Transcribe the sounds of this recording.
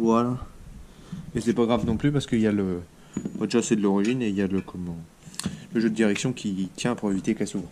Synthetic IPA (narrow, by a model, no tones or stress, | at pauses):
vwala | esɛpaɡʁavnɔ̃plypaʁsəkəiljalə | ɔ̃d̪eʒasɛd̪əlɔʁiʒineiljaləkʰɔmɑ̃ | ləʒød̪əd̪iʁɛksjɔ̃kʲit̪ʰjɛ̃puʁevit̪ekɛsuvʁ